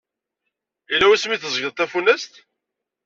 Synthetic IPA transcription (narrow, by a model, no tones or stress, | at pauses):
ilːæwæsmiθəzˤəʝəðˤt̪æfunːæst̪